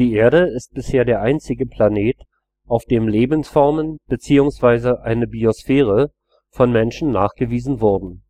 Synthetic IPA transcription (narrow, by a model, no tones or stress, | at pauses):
d̥iːʔeːɐɾəɪst̚b̥ɪsheːɐdeːɐʔaɪnt͡sɪɡəpʰl̥aneːt | ʔaʊfd̥eːmleːbn̩sfɔɐmənb̥ət͡siːʊŋsv̥aɪzəʔaɪnəbiosfɛːʁ̞ə | fɔnmɛnʃn̩nːaːχɡ̥əviːzn̩vɔɐdn̩